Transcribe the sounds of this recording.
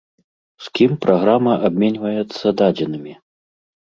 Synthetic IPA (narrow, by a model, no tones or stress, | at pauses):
skʲimpɾʔaɣɾamɐʔabʲmʲɛnʲvɐjɛt̪sːɐd̪ad͡zʲɛnɨmʲi